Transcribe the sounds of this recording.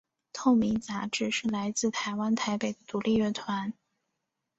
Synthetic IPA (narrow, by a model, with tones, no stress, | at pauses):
t̪ʰo˥˩ʊmi˧˥ŋt͡sa˧˥ʈ͡ʂɻ̩˥˩ʂɻ̩˥˩la˧˥ɪt͡sɹ̩˥˩t̪ʰa˧˥ɪwa˥nt̪ʰa˧˥ɪpe˨˩ɪd̪ə˦t̪u˨˧˥li˥˧ɥɛ˥˩t̪ʰwa˧˥n